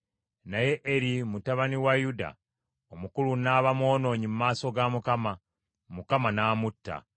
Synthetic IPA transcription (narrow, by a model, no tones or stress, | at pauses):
naje̞ʔeɾimutaβaniwajuda̰ | omukulunaβamwo̞ːno̞ːɲimumaːso̞ɡamukama | mukamanaːmutːa̰